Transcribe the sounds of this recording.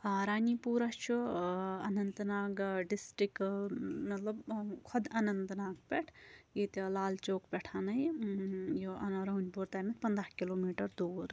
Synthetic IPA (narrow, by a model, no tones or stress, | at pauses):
aɾaːnipuːɾɐt͡ʃʰuɐnɐnt̪naːɡɖisʈɾikmɐt̪lɐbkʰɔd̪ɐnɐnt̪naːɡpɛʈʰjit̪laːlt͡ʃoːkpɛʈʰaːnɐj | joʔɐnɾɐunʲbuɾt̪aːmet̪pɐnd̪ɾahkiloːmiːʈɐɾd̪uːɾ